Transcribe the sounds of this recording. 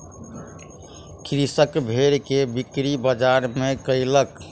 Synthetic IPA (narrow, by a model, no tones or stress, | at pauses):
kʰɾisəkbʱeɾkebikɾibəd͡ʒaɾmẽkəilək